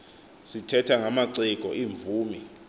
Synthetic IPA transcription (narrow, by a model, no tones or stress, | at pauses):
sitʰɛtʰaŋamaǀik̬ʼɔʔiːɱvuːmi